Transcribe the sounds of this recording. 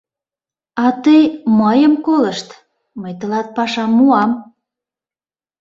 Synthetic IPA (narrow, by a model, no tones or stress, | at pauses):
ɑt̪əjməjəmkoləʃt̪ | məjt̪ə̆lɑt̪̚pɑʃɑmːuɑm